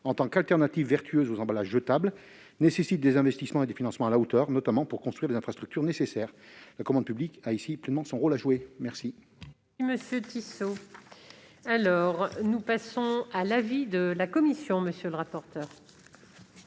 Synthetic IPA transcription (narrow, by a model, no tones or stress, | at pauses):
ɑ̃t̪ɑ̃kalt̪ɛʁnat̪ivːɛʁt̪ʰyøzozɑ̃balaʒət̪abl | nesesit̪̚d̪ezɛ̃vɛst̪ismɑ̃ed̪efinɑ̃smɑ̃alaot̪œʁnɔt̪amɑ̃puʁkɔ̃st̪χɥiʁlezɛ̃fχast̪χyk̚t̪yʁnesesɛːʁlakɔmɑ̃d̪̚pyblikaisiplɛnmɑ̃sɔ̃ʁolaʒuwemɛʁsi | iməsjøt̪iso | alɔʁnupasɔ̃alavid̪əlakɔmisjɔ̃məsjøləʁapɔʁt̪œːʁ